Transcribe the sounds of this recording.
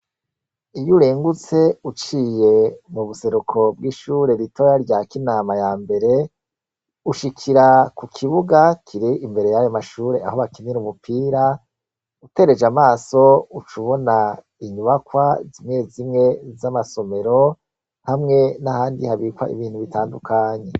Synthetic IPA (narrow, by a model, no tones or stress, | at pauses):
ijuɾeːŋɡut͡se̞ut͡ʃiːje̞muβuse̞ɾukʰo̞bɡiːʃuːɾe̞ɾitʰo̞jaɾɟakinaːmajaːmbe̞ɾe̞ | uʃikʰiɾakukʰiβuɡakʰiɾiimbe̞ɾe̞jajomaʃuːɾe̞a̰ho̞βakiniɾumupʰiːɾa | ute̞ɾe̞d͡ʒamaːso̞ut͡ʃuβo̞na | iɲuβakwazimŋe̞zimŋe̞zamaso̞me̞ɾo̞ | hamŋe̞nahaːndihaβiːkwa̰ʔḭβiːn̥huβitaːndukaːɲe̞